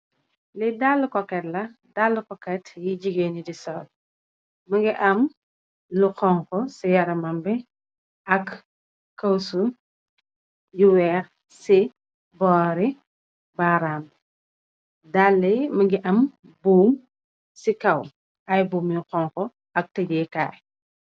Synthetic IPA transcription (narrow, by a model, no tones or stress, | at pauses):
lidalːukɔkːɛtlɐ | dalːukɔkɛtjiɟiɡenidisɔːl | mɐɡiʔɐm | luxɔŋkɔsijɐɾɐmɐmbɛ | ɐkː | ɐwsu | juwɛɾ | si | bɔːɾi | baɾaːm | dalːɐjmɐɡiʔɐm | buːm | sikɐw | ʔɐjbuːmjuqɔŋkɔ | ɐk̚tɐɟɛka̰ːj